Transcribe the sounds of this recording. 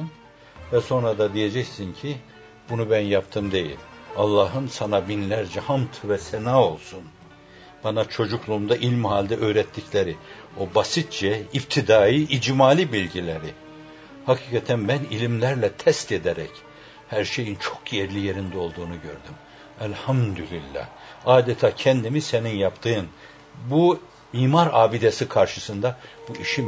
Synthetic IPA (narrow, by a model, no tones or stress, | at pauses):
n | vɛso̞nɾad̪ad̪ije̞d͡ʒɛcsincʰi | bunubænjapt̪ʰɯmd̪e̞jḭlʲalˠːaːɦɯnsanabinlʲæɾd͡ʒɛhamt̪ʰɯvɛsɛnaːo̞lˠsun | b̥anat͡ʃʰo̞d͡ʒuklˠuːmd̪aʔilʲmhaːlʲd̪ɛʔøːɾɛt̪ʰːiclʲeɾi | o̞basit̪̚t͡ʃɛip̚t̪ʰid̪aːjiʔid͡ʒmaːlʲibilʲɟilʲeɾɪ | hakʰiːkʰat̪ʰænbænilʲimlʲæɾlʲɛt̪ʰɛst̪ed̪eɾɛc | hæɾʃe̞jint͡ʃʰo̞kʰjɛɾlʲijeɾind̪ɛo̞lˠd̪uːnuɟø̞̰ɾd̪ym | ælʲhamd̪ylʲilʲːa̰h | aːd̪ɛt̪ʰaːcʰɛnd̪imiseninjapt̪ʰɯjɯn | bu | miːmaɾaːbid̪esikʰaɾʃɯsɯnd̪ab̥uiʃi